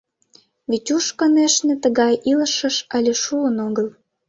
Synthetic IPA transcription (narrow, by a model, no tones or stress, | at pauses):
βitʲuʃkə̆neʃnĕt̪ə̆ɣɑjʔiləʃə̆ʃɑlʲeʃuənoɣəl